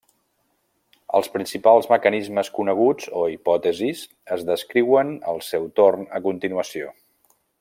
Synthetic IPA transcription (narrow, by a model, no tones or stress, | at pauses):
ə̰lˠspɾinsipalˠzməkənizməskunəɣ̞ud͡zoipɔt̪əziz | əzðəskɾiwənəlˠsewt̪ornə̰kunt̪inuəsio